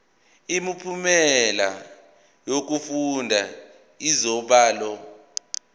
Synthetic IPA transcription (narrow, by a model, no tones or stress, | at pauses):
imipʰumɛla | jok̬ufundʱa | izɔɓaːlɔ